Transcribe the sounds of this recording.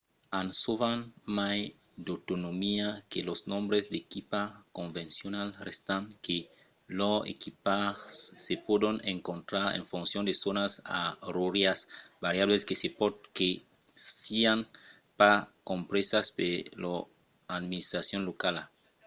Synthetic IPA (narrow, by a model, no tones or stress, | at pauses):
ansoβanmaj | d̪ot̪onomiakelosnõmbɾezd̪ekipakõɱvẽnsjonalrest̪aŋke | loḛkipasepodoneŋkont̪ɾaɾḛɱfunsjond̪esonasa̰ruɾjasbaɾjaβleskeske | sian | pakompɾesaspelo | ad̪minist̪ɾasjonlokala